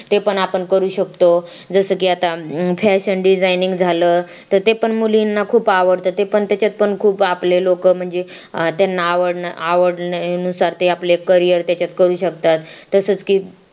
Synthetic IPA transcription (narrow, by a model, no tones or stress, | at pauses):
t̪epəɳapəɳkəɾuːɕək̚t̪o | d͡zəsəːkiːat̪afæɕənɖid͡zajniŋɡd͡zʱaləː | t̪əɾt̪epəɳmulinːakʰuːpaʋəɽt̪ət̪epəɳt̪jat͡ɕat̪̚pəɳkʰuːpaplelokəːm̤əɳd͡ze | t̪janːaːʋəɽnəaʋəɽnusaɾt̪eaplekːəɾijəɾt̪jat͡ɕat̪kəɾuːɕəkt̪at̪ːəsəːt͡skiː